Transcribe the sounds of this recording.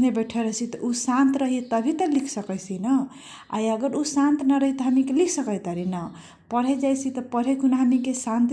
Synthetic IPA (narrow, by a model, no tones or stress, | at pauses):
nebeʈʰeɾət͡ʃʰit̪ɔʔusant̪ɾəɦiet̪əbʱit̪əlikʰsəkəjt͡ʃʰinə | a̰jəɡəɾusant̪nəɾəɦit̪əɦəmikelikʰsəkəjt̪əɾinə | pəɽɦed͡ʒajt͡ʃʰit̪əpəɽɦekunaɦəmikesãnt̪